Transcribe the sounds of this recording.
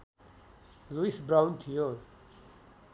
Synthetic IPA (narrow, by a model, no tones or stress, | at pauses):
luisbɾaunt̪ʰijo